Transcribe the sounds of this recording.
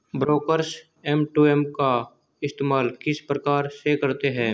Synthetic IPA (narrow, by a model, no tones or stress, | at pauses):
bɾoːkəɾs | ɛmʈuːɛmka | ɪst̪eːmaːlkɪspɾəkaːɾsekɐɾt̪eɦɛ̃ː